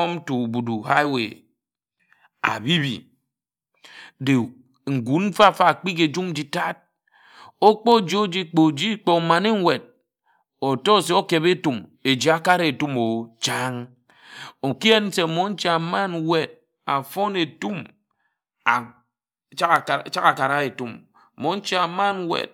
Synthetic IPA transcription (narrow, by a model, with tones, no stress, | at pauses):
m̩˦tu˨bu˨du˨ha˦wḛ˨ | a̰˨bi˦bḭ˨ | de˨ | ŋ̩˨ɡu˨n̩˦fa˦˨fa˦˨k͡pi˦ke˨d͡ʒu˦m˦d͡ʒi˨ta˦t̚ | o˦k͡po˦˨d͡ʒo˦d͡ʒi˦k͡po˨d͡ʒi˦k͡po˨ma˨ne˦ŋ˦we˨d̚ | o˨tɔ˦˨se˨o˦ke˨βe˦tu˨me˨d͡ʒi˨˦a˦ka˦ɾe˦e˨tu˦mo˨t͡ʃa˦ŋ | o˨ki˦e˦n̩˦se˨mo˨˦n̩˦t͡ʃi˦a˨ma˦nwe˨d̚ | a˨fo˦ne˨tu˦m | a˨˦ | t͡ʃa˦kt͡ʃa˦ka˨ka˨ɾa˦e˨tu˦m˨ | mo˨˦n̩˦t͡ʃi˦a˨ma˦nwḛ˨t̚